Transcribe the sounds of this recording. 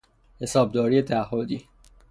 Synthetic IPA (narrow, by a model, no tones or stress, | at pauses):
he̞sɒːb̚d̪ɒːɾiːet̪ʰææhːod̪iː